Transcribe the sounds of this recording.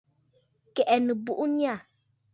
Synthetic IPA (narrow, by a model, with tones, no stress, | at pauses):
kɛ˨ʔɛ˨nə˨bu˦ʔu˦ɲi˦a˦˨